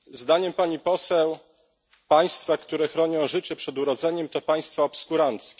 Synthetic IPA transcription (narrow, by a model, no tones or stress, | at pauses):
zd̪aɲɛmpaɲipɔsɛw | paj̃st̪fakt̪uɾɛxɾɔɲɔ̃w̃ʐɘt͡ɕɛpʂɛd̪uɾɔd̪zɛɲɛmt̪ɔpaj̃st̪faɔpskuɾant̪skʲɛ